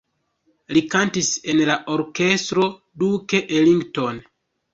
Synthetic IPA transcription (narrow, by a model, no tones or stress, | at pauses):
likantise̞nlaʔo̞ɾke̞stɾo̞ | duke̞ʔeliŋɡto̞n